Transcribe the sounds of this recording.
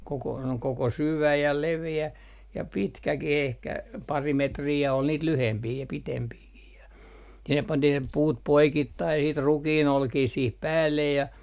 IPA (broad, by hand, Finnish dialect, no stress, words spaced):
koko koko syʋæ jɑ leʋeæ jɑ pitkækih ehkæ pɑri metriː jɑ ol niːt lyhempiː jɑ pitempiːkih jɑ sinːep pɑntih ne puːt poikitːɑi sit rukiːnolkiː siːh pæːlːej jɑ